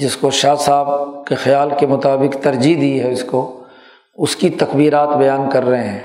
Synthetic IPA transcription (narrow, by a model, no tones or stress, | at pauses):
d͡ʒɪskoʃaːsaːb̚kexɐjaːlkemʊt̪aːbɪkt̪ɐɾd͡ʒid̪iːɦɛʊsko | ʊskit̪ɐkbiːɾaːt̪bɐjaːnkɐɾːɐɦeɦɛ̃ː